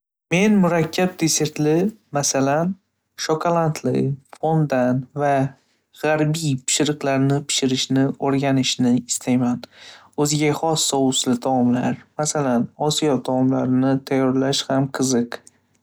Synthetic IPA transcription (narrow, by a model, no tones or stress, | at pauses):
me̞nmʊɾakʲʰːab̚d̪e̞se̞ɾt̪lɪmasalan | ʃɒkʰolˠant̪ʰlɪ̰fond̪anva | ʁaɾbijpʰɪ̥ʃɪɾɨqlaɾnɪpʰɪ̥ʃɪɾɪʃnɪoɾɡʲanɪʃnɪɪst̪ʰajman | ɵzɪɡʲaχɒsːɒʊslɪd̪ʰɒɒmlaɾmasalanɒsijɒd̪ʰɒɒmlaɾɪnɪt̪ʰajːɒɾlaʃhamqʰɨzɨq